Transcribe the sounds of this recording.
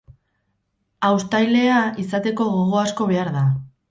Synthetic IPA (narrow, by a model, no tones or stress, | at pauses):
awst̪ajle̞aisat̪e̞ko̞ɣo̞ɣ̞o̞asko̞βe̞aɾða